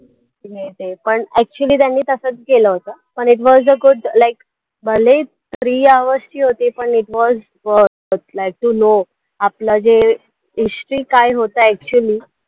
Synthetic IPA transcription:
jet̪epəɳɛk̚t͡ɕuəliːt̪janːiːt̪əsət͡sɡeləɦot̪apəɳiʈ̬ʋɔzəɡuɖlajk | bəle | t̪ɾiːaʋəst͡ɕiːɦot̪epəɳiʈʋɔz | ʋəɾ | t̪lajk̚ʈuno | aplad͡ʑe | ɦisʈɾiːkajɦot̪aɛk̚t͡ɕuəliː

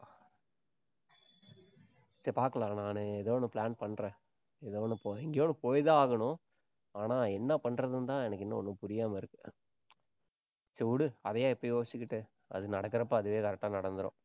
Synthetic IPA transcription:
t͡ʃɛpaːɾkɐɭaːnaːnɯɛðɐːnːɯplaːnpɐɳːɾɛ̃ | ɛðɐːnɯpoɛŋɡjoːnɯpoːjðaaːɣɐɳʊ̃ | aːnãːɛnːɐpɐɳːɾɐðɯnt̪ãːɛnɐkːɪnːɐɔnːɯpʊɾɪjaːmɐɪɾɯkːɯ̥ | t͡ʃɛʋɽɯɐðɐjãːɛpːojoːsɪkːɪʈːɯ | ɐ̰ðɯnɐɽɐkːɐɾɐp̬ːaːɐðɯʋeːkɐɾɛk̚ʈːaːnɐɽɐnd̪ɯɾõ̰ː

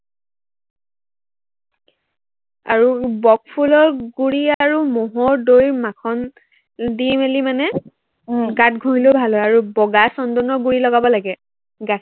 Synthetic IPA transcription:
a̰ɹubɔk̚pʰulɔɹɡuɹiaɹumɔɦɔɹdojmakʰɔn | dimelimanɛ | ɡatɡʱoɦilobʱalɦojaɹubɔɡasɔndɔnɔɹɡuɹilɔɡabɔlaɡɛ | ɡakʰ

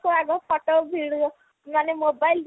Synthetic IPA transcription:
koaɡɔpʰɔʈobʱiɽu | manemobajl

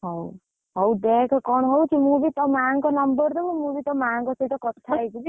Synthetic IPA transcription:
ɦɔw | ɦɔwd̪ekʰɔkɔɳ̃ɦowt͡ʃʰimũbit̪ɔmaŋkɔnɔmbəɾd̪ɔbumũbit̪ɔmaŋkɔsiʈɔkɔt̪ʰːajt͡ʃibi

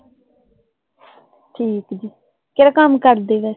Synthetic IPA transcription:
ʈʰiːkd͡ʒiː | keːɾakəmkəɾd̪eːʋɛː

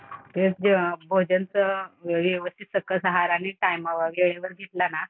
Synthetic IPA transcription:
t̪et͡sd͡ʑbʱod͡ʑənt͡səʋjeʋəst̪ʰit̪səkːəsəɦaɾañiʈajmaʋəʋeɭeʋəɾɡʱet̪lana

